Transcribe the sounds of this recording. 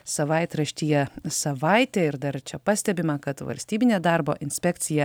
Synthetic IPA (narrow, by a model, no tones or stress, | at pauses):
sɐʋɐɪt̪ɾɐʃʲt̪ʲiːjɛsɐʋɑˑɪt̪ʲeːɪɾd̪ɐɾt͡ʃʲɛpɑːsʲt̪ʲɛbʲɪmɐkɐt̪ʋɐ̰lʲsʲt̪ʲiːbʲɪnʲeːd̪ɑːɾboːʔɪnʲsʲpʲɛkt̪sʲɪjɛ